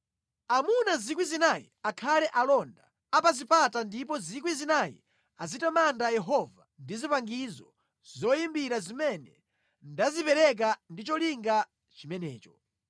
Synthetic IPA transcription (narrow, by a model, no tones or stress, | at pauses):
amunazikwizinajḭakʰalɛʔalɔnda | apazipatandip̬ɔzikwizinajḭ | azitamandajɛɦɔvandizipaŋɡizɔ̰ | zɔjimbiɾazimɛnɛ | ndazipɛɾɛk̬andit͡ʃɔliŋɡa | t͡ʃimɛnɛ̰ːt͡ʃɔ̥